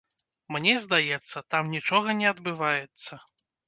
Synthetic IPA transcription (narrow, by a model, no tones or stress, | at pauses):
mnʲɛzd̪ajɛt̪sːɐt̪amnʲit͡ʂɔɣɐnʲɛɐd̪bɨvajɛt̪sːɐ